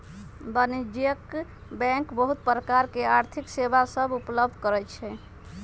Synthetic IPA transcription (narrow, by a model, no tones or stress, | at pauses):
bənid͡ʒijəkbɛ̃ŋkbəɦut̪̚pɾəkaɾkeaɾt̪ʰiksebasəbupləb̚d̪ʱkəɾɛt͡ʃʰɛ